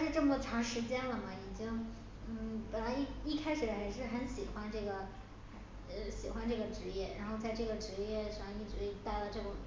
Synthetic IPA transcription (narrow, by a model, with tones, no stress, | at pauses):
ʂɻ̩˥˧ʈ͡ʂɤ˥˩mə˩ə˧˩ʈ͡ʂʰɑ˧˥ŋʂɻ̩˧˥t͡ɕjɛ˥nlə˨mɐ˩i˨˩t͡ɕi˥ŋ | n̩˥˩pə˨˩nla˧˥ɪ˥i˥˧kʰa˥ɪʂɻ̩˨˩˧xa˧˥ɪʂɻ̩˥˩xə˧˥nɕi˨˩xwa˥nʈ͡ʂɤ˥˩ɡə˩ | xə˧˥ | ə˥˧ɕi˨˩xwa˧˥nʈ͡ʂɤ˥˩ɡə˩ʈ͡ʂɻ̩˧˥jɛ˥˩ɻa˧˥nxo˥˧ʊt͡sa˥˧ɪʈ͡ʂɤ˥˩ɡə˩ʈ͡ʂɻ̩˧˥jɛ˥˧ʂɑ˥˩ŋi˥˩ʈ͡ʂɻ̩˧˥i˥˧˩t̪a˥˩ɪlə˩ʈ͡ʂɤ˥˩ʈ͡ʂʊ˨˩˦ŋ